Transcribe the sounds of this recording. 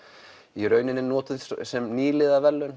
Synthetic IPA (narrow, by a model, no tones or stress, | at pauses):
iɾœːɥnɪnːɪnɔːt̪ɪsɛmniːlɪːðavɛlːʏn